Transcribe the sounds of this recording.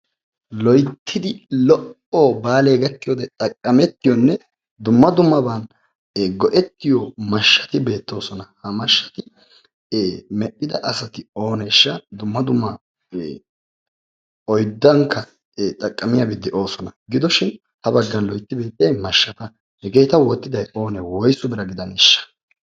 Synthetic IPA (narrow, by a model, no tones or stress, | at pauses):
lɔjt̪ʰːɪd̪ɪlɔʔ | obaːle̞ːɡɐt̪ːɪjɔd̪ɛt̪ʼɐkʼːɐmɛt̪ːɪjɔnːɛ | d̪ʊmːɐd̪ʊmːɐbɐnː | ɡɔʔɛt̪ːɪjɔmɐʃːɐ̥t̪ɪbe̞ːt̪ːo̞ːsɔnɐhɐmɐʃːɐ̥t̪ɪ | mɛʔʼːɪd̪ɐʔɐsɐt̪ɪo̞ːnɛɪʃːɐd̪ʊmːɐd̪ʊmːɐ | ɔjd̪ːɐŋkːɐ | t̪ʼɐkʼːɐmɪjɐbɪd̪ːɪʔo̞ːsɔnɐɡɪd̪ɔʃɪn | hɐbɐɡːɐnlɔjt̪ːɪbe̞ːt̪ːɪjɐjmɐʃːɐt̪ɐ | hɛɡejt̪ɐwɔt̪ːɪd̪ɐjo̞ːnɛwɔjsʊbɪɾɐɡɪd̪ɐnɪʃːɐ̥